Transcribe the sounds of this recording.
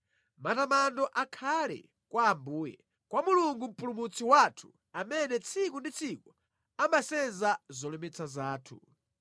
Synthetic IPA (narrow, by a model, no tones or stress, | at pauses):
matamandɔʔakʰalɛ̰ | kwaːmbuːjɛ̰ | kwamuluŋɡum̩pulumut͡sʰiwatʰu̥ | amɛnɛt͡sʰikundit͡sʰiku | amasɛnzazɔlɛmɛt͡sʰazaːtʰṵ